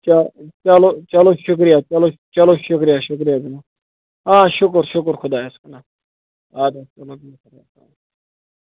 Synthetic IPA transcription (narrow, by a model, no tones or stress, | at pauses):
t͡ʃat͡ʃalot͡ʃaloʃʊk̬ɾijat͡ʃɐlot͡ʃɐloʃʊk̬ɾijaʃʊkɾijad̪ina | ɦãːʃʊkɾʃʊkɾxʰʊd̪aːeskɐna | aːd̪ast͡ʃɐlobikʰɐɾasa̰ː